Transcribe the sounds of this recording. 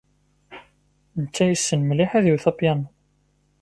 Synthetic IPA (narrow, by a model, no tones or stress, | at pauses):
nt͡s̪ːæjəsːənmliħæðuwθɑpjɑn